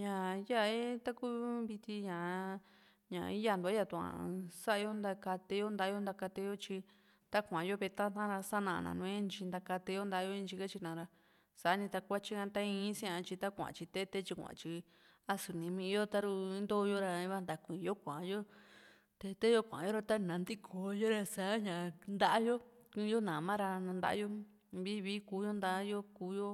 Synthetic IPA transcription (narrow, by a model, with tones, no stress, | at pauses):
ɲã˨ja˦˨e˦t̪a˦ku˦βi˧t̪i˧ɲã˨˧ | ɲã̰˨˧i˦ja˧˨nd̪u˧a˦ja˧˨t̪u˧˨ã̰˨sa˦a˧jo˦nd̪a˧ka˧t̪e˧jo˦nd̪a˧˦jo˦nd̪a˧ka˧t̪e˧jo˦t͡ʃi˧ | t̪a˦kʷã˨jo˦βe˧t̪ã˦nã˦˧ɾa˧sa˦nã˧˨˧nã̰˨nũ˧ẽ˦nt͡ʃi˧nd̪a˧ka˧t̪e˧jo˦nd̪a˧˦jo˦ĩ˧nt͡ʃi˧ka˦t͡ʃi˧nã˧ɾa˧ | sa˨a˦nĩ˧t̪a˧kʷa˦t͡ʃi˦kã˧t̪a˦ĩ˧˦sĩ˦ã˧t͡ʃi˧t̪a˦kʷã̰˨t͡ʃi˧t̪e˦t̪e˦t͡ʃi˧kʷã̰˨˧t͡ʃi˧ | a˦su˨nĩ˧mĩ˧jo˦t̪a˦ɾu˧i˦nd̪o˦˧jo˦ɾa˧ĩ˧˦βa˦˧nd̪a˨kʷĩ˨˧jo˦kʷã˨˧jo˦ | t̪e˧t̪e˦jo˦kʷã̰˨jo˦ɾa˧t̪a˦nã˨˧nd̪i˦kʰo˨jo˦ɾa˧sa˨˦ɲã˨nd̪a˦ʔa˦jo˦ | kĩ˧˦jo˦nã˨mã˦ɾa˧nã˧nd̪a̰˦ʔa̰˦jo˦ | βi˦βi˦ku˦jo˦nd̪a˦jo˦ku˧˦jo˦